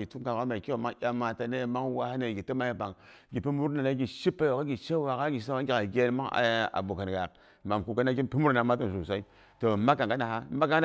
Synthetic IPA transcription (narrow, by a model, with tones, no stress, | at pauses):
ɡi˨tu˦mka˨ka˦ma˨ki˦o˨ma˦ŋ˦jʲa˦mːa˨ta˨ne˦˨ma˦ŋwa˦ha˦ne˨ɡi˨tə˦ma˦ji˦ba˨ŋ | ɡi˨pi˦mu˦ɾna˨la˦ɡʲi˨ʃi˦pːa˦jo˨ka˦ɡi˨ʃe˦wa˨ka˦ɡi˨˦sa˦wa˦ɡʲi˦ka˨ɡe˦n˦ma˦ŋa̰˨a̰˨bo˨ka˨n˨ɡa˨k | ma˨mku˨ka˦na˦ɡʲi˦npi˦mu˦ɾna˨ma˦ta˦˨s̬u˨sa˦i˦ | to˨ma˦ka˨ŋɡa˦na˨ha˦ma˦ka˦n˦